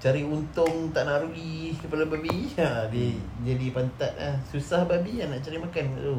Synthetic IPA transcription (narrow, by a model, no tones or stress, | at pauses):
t͡ʃaɾiunt̪ʊŋt̪aʔnaʔɾulikəpadababiadid͡ʒadipant̪at̪̚la̰hsusahbabianaʔt͡ʃaɾimakankat̪u